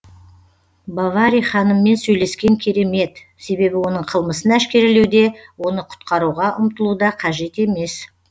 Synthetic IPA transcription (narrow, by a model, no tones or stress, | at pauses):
bavaɾijχɑnəmːe̞nsɵjle̞skʲe̞ŋkʲʰe̞ɾe̞me̞t̪ | se̞be̞bɪwo̞nəɴqʰəlˠməsənæʃkʲe̞ɾɪlewd̪e̞wo̞nəqʰʊ̥t̪qɑɾuʁɑʔʊmt̪əlˠud̪ɑqʰɑʒe̞t̪e̞me̞s